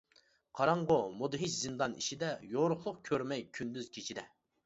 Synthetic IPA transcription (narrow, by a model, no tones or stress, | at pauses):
qʰɑɾɑɴʁomud̪ɨɦit͡ʃzɨnd̪ɑniʃid̪ɛjoɾʊχlˠʊqkʲʰøɾmɛjkʲʰynd̪yzkʲʰet͡ʃʰid̪ɛ